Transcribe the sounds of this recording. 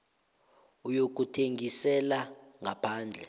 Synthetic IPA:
ujok̬utʰeŋisɛlaŋʱapʰaːnd͡ɮʱɛ

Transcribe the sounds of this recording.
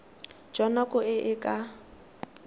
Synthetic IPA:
d͡ʒɔnakʼʊɪʔɪkʼa

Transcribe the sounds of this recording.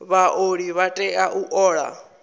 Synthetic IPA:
βaʔoɺiβatʼɛʔaʔuʔɔːɺa̰

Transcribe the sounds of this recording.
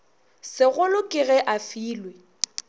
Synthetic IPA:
sɪɣʊlʊkʼɪɣɛʔafiːlwe

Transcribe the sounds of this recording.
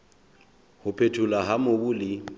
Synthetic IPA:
hʊpʰetʰulaɦamobʊːlɪ

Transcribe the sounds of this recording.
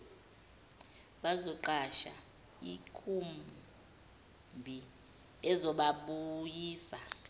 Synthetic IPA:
ɓazɔǃaʃa | ikʰum | bʱi | ɛzɔɓaɓujiːsa

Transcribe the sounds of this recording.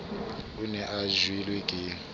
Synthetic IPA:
unɛʔaʒwilwɛkʼi

